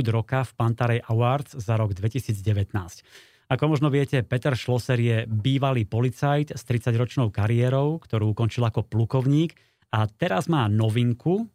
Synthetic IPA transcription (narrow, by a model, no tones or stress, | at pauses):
d̪ɾɔkafpant̪aɾɛjʔaʊaɾd͡zzaɾɔɡd̪ʋɛcisiːd͡zɟɛʋɛt̪naːsc | akɔmɔʒnɔʋɪɛcɛpɛt̪ɛɾʃlɔsɛɾjɛbiːʋaliːpɔlit͡sajt̪st̪ɾit͡saɟɾɔt͡ʃnɔʊkaɾiɛːɾɔʊkt̪ɔɾuːukɔnt͡ʃilakɔplukɔʊɲiːk | at̪ɛɾazmaːnɔʋiŋku